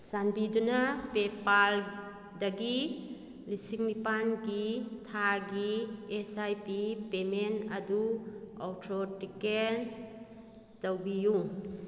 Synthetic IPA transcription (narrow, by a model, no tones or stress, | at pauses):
sanbidunapepal | daɡi | lisiŋnipanɡit̪ʰaɡiesajpipemenɐduɔwtʰɾɔtikel | tawbiju